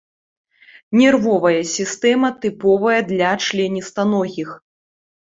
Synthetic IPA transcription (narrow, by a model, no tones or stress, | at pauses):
nʲɛrvɔvɐjɐsʲist̪ɛmɐt̪ɨpɔvɐjɐd̪lʲɐt͡ʂlʲɛnʲist̪anɔɣʲix